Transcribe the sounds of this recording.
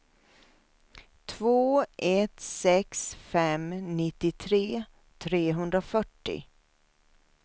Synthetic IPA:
t̪ʰvoːʔɛt̪sɛksfɛmnɪt̪ːɪt̪ʰɾeː | t̪ʰɾeːɦɵnd̪ɾafœʈːɪ̰

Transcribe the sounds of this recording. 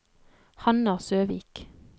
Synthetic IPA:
hɑnɑsøːʋḭːk

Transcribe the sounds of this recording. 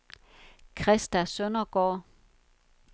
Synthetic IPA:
kʰʁɛsd̥æsønɐɡ̥ɒː

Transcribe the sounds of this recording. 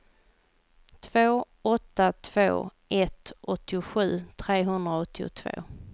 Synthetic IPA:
t̪ʰv̥oː | ɔt̪ːat̪ʰv̥o̰ːʔɛt̪ɔt̪ʰːɪʊɧʉ̟ːt̪ʰɾeːɦɵnd̪ɾaɔt̪ʰːɪʊ̰t̪ʰvo̰ː

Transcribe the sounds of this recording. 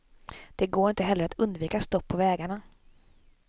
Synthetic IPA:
d̪̥ɛɡoːɾɪnt̪əɦɛlːəɾat̪ɵnd̪viːkast̪ɔpʰːɔvɛːɡaɳa

